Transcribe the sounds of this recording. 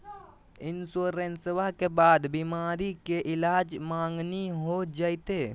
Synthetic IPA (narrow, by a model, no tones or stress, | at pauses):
ɪnsoːɾenswakebaːd̪bimaːɾikeʔɪlaːd͡ʒmãːŋɡniɦod͡ʒaːit̪eː